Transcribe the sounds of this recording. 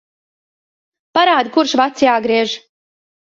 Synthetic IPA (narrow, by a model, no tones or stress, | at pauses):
paɾaːd̪̚kuɾʃvat̪sjaːɡɾiɛʒ